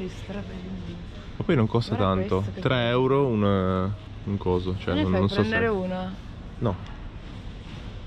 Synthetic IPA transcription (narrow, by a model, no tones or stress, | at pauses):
mapːɔjnoŋkost̪at̪ant̪ot̪ɾɛɛwɾoun | uŋkɔːzot͡ʃoɛnːonssɔuːna | nɔ